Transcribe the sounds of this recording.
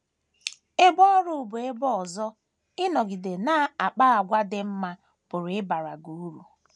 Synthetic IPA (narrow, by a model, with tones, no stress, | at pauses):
e˦bɔ˦ɾu˦˨bʊ˨e˦bɔ˦ɔ˨zɔ˦ | ɪ˦nɔ˨ɡɪ˨de˨na˦a˨k͡pa˦a˨ɡʷa˦dɪ˦m̩˦ma˦ | pʊ˨ɾɪ˦ba˨ɾa˨ɡu˨u˦ɾu˨